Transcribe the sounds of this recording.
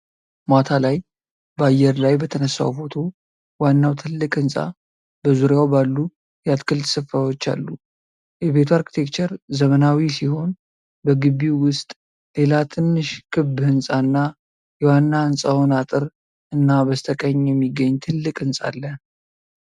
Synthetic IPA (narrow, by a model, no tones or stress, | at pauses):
mat̪ʰalaj | bəajːɛɾlajbət̪ʰənəsːa̰wfo̞t̪ʰo̞ | wanːawt̪ʰɨlːɨkʼɨnsʼa̰ | bəzuɾjawbalːu | jɛat̪kʰɨlsɨfːawo̞t͡ʃːa̰lːu | jɛβe̞t̪ʰuaɾkʰi̥t̪ʰe̞kt͡ʃəɾzəmənawisiho̞n | bəɡɨβːiwʊst̪ʼ | le̞lat̪ʰɨnːɨʃkʰɨbhɨnsʼanːa | jɛwanːaɨnsʼawnat̪ʼɨɾ | ɨnːabəst̪ʰəkʼəɲːjɛmːiɡːəɲːt̪ʰɨlːɨkʼɨnsʼa̰lːə